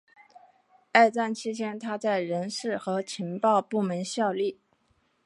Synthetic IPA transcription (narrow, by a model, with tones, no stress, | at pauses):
a˥˧ɪt͡sa˥˩nt͡ɕʰi˥t͡ɕʰjɛ˥nt̪ʰa˥t͡sa˥˩ɪɻə˧˥nʂɻ̩˥˩xɤ˧˥t͡ɕʰi˧˥ŋpɑ˥˧ʊpu˥˩mə˧˥nɕjɑ˥˧ʊli˥˩